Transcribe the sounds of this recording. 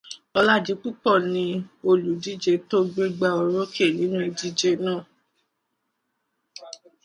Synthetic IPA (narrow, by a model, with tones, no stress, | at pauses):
ɔ˧la˦˨d͡ʒi˨˦k͡pu˦k͡pɔ˦˨nĩ˧o˧lu˨di˦d͡ʒe˧to˦ɡ͡be˧ɡ͡ba˧˨o˧˨ɾõ˦kʰi˦e˦˨nĩ˨˦nũ˦i˧di˦d͡ʒe˧nãː˦˨